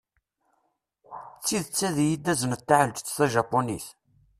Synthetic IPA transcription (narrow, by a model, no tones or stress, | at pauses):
t͡sːiðt͡sːæðjid̪ːæzənt̪ːaʕəld͡ʒt͡sːθæʒɑpːonḭθ